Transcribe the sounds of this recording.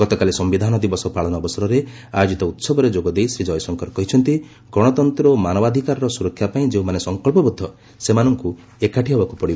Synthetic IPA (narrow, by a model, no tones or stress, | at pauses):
ɡ̥ɔt̪ɔkalesɔmbid̪ʱanɔd̪ibɔsɔpaɭɔnɔːbɔsɔɾɔɾe | ajod͡ʒit̪ɔut̪sɔbɔɾed͡ʒoɡɔd̪ejsɾid͡ʒɔjɔsɔŋkɔɾɔkɔɦit͡ʃʰɔnt̪i | ɡɾɔɽ̃ɔt̪ɔnt̪ɾɔmanɔbad̪ʱikaɾɔɾɔsuɾɔkʰːjapaĩd͡ʒeũmanesɔŋkɔɭpɔbud̪ʱːɔ | semanɔŋku | ekaʈiɦɔbakupɔɽibɔ